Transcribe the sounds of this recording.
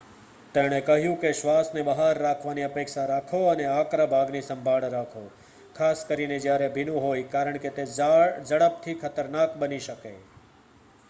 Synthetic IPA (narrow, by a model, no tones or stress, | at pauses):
t̪eɽ̃ekəɦjũkeʃʋasnebəɦaɾːakʰʋaniəpekʃaɾakʰoəneakɾabʱaɡnisə̃mbʱaɭɾakʰo | kʰaskəɾined͡ʒjaɾebʱinũɦojkaɾəɳket̪ed͡ʒəɽəp̚t̪ʰikʰət̪əɾnakbəniʃəkḛ